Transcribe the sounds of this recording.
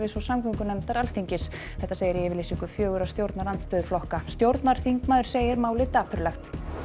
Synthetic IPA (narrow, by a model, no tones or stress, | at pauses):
vɪsvɔsamkʰʏŋkʏnɛmt̪aɾalθiɲcɪs | θɛht̪aseːjɪɾiɛːvɪɾlisiŋkʏfjœːɣʏɾawst̪jowɾt̪naɾant̪st̪œːðʏflɔhkast̪jowɾt̪naɾ̥θiŋkmaːðʏɾ̥seːjɪɾmaːwlɪt̪aːpʰʏɾlaxt̪